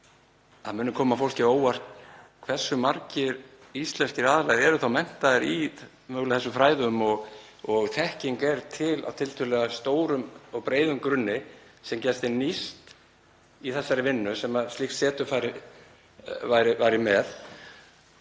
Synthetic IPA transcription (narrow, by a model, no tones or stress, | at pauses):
aðmʏːnːʏkʰɔːmafowl̥cɪoːwar̥t̪kʰv̥ɛr̥sːʏmaɾcɪɾ | ist̪lɛnscɪɾaːðalajðɛɾʏθawmɛn̥t̪aðɪɾi | mœɣlaθɛsːʏfɾaːjðʏmɔɣ | ɔɣθʰɛhciŋkɛɾt̪ʰɪlʔa̰wt̪ʰɪlt̪ʰʏlɛɣast̪oːwɾʏmɔɣpɾeːjðʏmkɾʏnːɪsɛmcɛst̪ɪnist̪ | iθɛsːaɾɪvɪnːʏsɛmaðst̪ihxt̪sɛːt̪ʏfaːjɾɪ | vajɾɪvajɾɪmɛð